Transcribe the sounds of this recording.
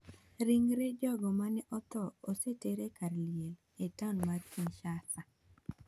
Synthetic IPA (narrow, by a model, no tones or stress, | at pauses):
ɾiŋɾed͡ʒɔɡɔmanɛʔɔt̪ɔoseteɾekaɾljel | etanmaɾkinʃasa